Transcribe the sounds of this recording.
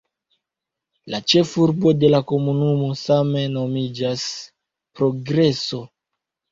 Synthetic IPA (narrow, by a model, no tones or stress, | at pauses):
lat͡ʃe̞fuɾbo̞de̞lako̞munumo̞same̞no̞mid͡ʒas | pɾo̞ɡɾe̞so̞